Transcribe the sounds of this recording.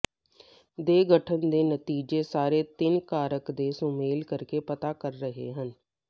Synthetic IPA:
d̪eːɡəʈʰənd̪eːnət̪iːd͡ʒeːsaːɾeːt̪ɪnkaːɾəkd̪eːsũːmeːlkəɾkeːpət̪aːkəɾːəɦḛːɦən

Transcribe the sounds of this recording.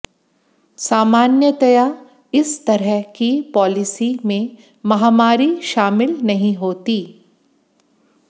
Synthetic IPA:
saːmaːnjət̪ɐja | ɪst̪ɐɾəɦkipɔːlɪsimẽ | mɐɦaːmaːɾiʃaːmɪlnɐɦĩɦoːt̪iː

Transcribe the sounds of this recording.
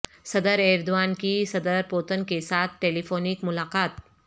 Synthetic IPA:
sɐd̪əɾeːɾd̪uʋaːnkisɐd̪əɾpoːt̪ənkesaːt̪ʰʈeːlifoːnikmʊlaːqaːt̪̚

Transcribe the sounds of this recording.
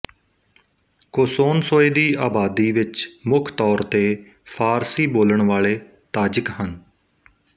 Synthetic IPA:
koːsoːnsoːeːd̪iːaːbaːd̪iːʋɪt͡ʃmʊkʰt̪ɔːɾt̪eː | pʰaːɾsiːboːləɳʋaːɭeː | t̪aːd͡ʒəkɦən

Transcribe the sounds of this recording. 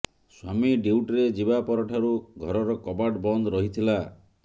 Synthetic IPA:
swamiɖiwʈɾed͡ʒibapɔɾɔʈʰaɾuɡʱɔɾɔɾɔkɔbaʈbɔnd̪ɔɾɔɦit̪ʰila

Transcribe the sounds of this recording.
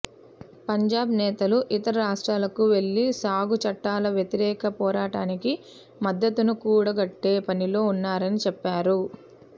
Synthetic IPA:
pɐɲd͡ʒaːbnɛːt̪ɐluʔit̪ɐɾɐɾaːʂʈɾaːlɐkuʋe̞ɭːisaːɡut͡ʃɐʈːaːlɐʋjɐt̪iɾɛːkɐpɔːɾaːʈaːniki | mɐd̪ːɐt̪unukuːɽɐɡɐʈːe̞ːpɐnilo̞ːunːaːɾɐnit͡ʃɛpːaːɾu

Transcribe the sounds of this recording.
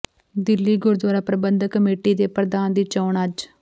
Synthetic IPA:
d̪ɪlːiːɡʊɾd̪waːɾaːpɾəbənd̪kəmeːʈiːd̪eːpɾəd̪aːnd̪iːt͡ʃɔːɳəd͡ʒ

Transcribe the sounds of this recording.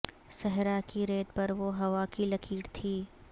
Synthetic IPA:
sɛɦɾakiɾeːd̪̚pɐɾʋoɦɐʋakilɐkʰiːɽt̪ʰiː

